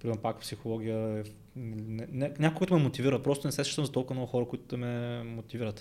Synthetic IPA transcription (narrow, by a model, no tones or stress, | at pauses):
pɾimɛɾpakpsixolˠɔɡʲijəɛ | nnɛnɛnʲakoɡət̪ʊmɛmot̪iviɾət̪̚pɾɔst̪ʊnɛsɛst͡ʃit̪əmzɐt̪ɔlˠkəmnɔɡʊxɔɾəkʊit̪ʊd̪ɛmɛmot̪iviɾət̪